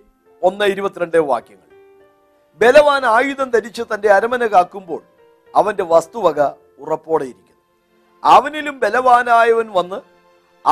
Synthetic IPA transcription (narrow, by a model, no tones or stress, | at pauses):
o̞nːɐiɾubɐt̪ːiɾɐɳɖeʋa̰ːkjɐŋːɐ̰ɭ | be̞lɐʋaːnaːjuðɐnt̪ɐɾit͡ɕːɨt̪ɐnde̞ɐɾɐmɐnɐkaːkːumbo̞̰ːɭ | ɐʋɐnde̞ʋɐst̪uʋɐɣɐ | urɐpːo̞ːɽejiɾikʲːunː | ɐʋɐnilumbe̞lɐʋaːnaːjɐʋɐnʋɐnːɨ | ɐ̰